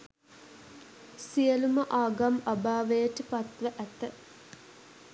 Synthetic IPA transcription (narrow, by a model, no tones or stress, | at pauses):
sijəluməʔaːɡamabaːʋəjəʈəpat̪ʋəʔæt̪ə